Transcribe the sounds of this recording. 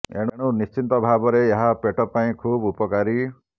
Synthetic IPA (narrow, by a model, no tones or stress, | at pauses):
ḛɽ̃ɽ̃unist͡ʃint̪ɔbʱabɔɾeeɦapeʈɔpːaĩkʰubupɔkaɾi